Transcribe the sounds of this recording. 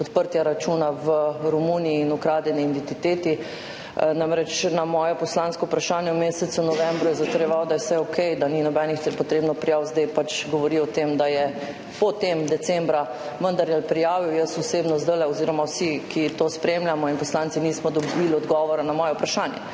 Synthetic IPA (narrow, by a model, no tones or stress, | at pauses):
pɔt̪pəɾt̪jaɾat͡ʃunaʋəɾumuniːnukɾaːd̪jɛniind̪ɛnt̪it̪eːt̪i | namɾɛt͡ʃnamɔːjɔpɔslaːnskɔupɾaʃaːnjɛwmeːsɛt̪sunɔʋɛ̃mbɾujɛzat̪ɐɾjɛʋawd̪ajɛsɛjɔkʰɛjd̪aninɔbɛnixt̪ɛpɔt̪ɾebnɔpɾijaːwzd̪ɛjpat͡ʃɡɔʋɔɾiɔt̪emd̪ajɛ | pɔt̪emd̪ɛsɛmbɾa | ʋənd̪aɾjalpɾijaːʋiwjəsuseːbnɔzd̪əlɛɔziːɾɔmawsikʰit̪ospɾemljamɔinpɔslant̪iniːsmɔd̪ɔbilɔd̪ɡɔʋɔɾanamɔːjɛwpɾaʃaːnjɛ̰